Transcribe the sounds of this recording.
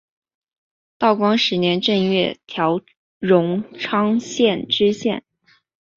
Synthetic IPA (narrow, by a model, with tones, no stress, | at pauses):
t̪ɑ˥˩ʊkwɑ˥ŋʂɻ̩˧˥njɛ˧˥nʈ͡ʂə˥˧ŋɥɛ˥˩t̪ʰjɑ˧˥ʊ | ɻʊ˧˥ŋʈ͡ʂʰɑ˥ŋɕjɛ˥˩nʈ͡ʂɻ̩˥ɕjɛ̰˥˩n